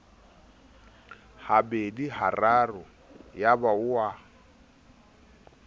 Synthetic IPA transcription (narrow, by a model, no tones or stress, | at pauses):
habedihararʊ | jabaʊwa